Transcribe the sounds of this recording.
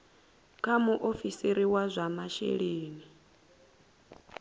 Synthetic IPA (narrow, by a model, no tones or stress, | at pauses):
kʰʼamuʔofisiɾiwazʷamaʃḛɺeːni